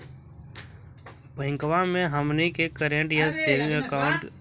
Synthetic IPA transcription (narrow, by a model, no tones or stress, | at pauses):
pəɦɪ̃ŋkʋamẽɦəmnikekəɾẽɳʈjaseːlɪ̃ŋəkaʊɳʈ